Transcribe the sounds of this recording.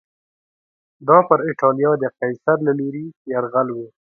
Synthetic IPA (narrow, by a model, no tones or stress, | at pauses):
d̪ɑpəɾɪʈɑlijɑd̪əqajsaɾlaluɾijaɾɣalwe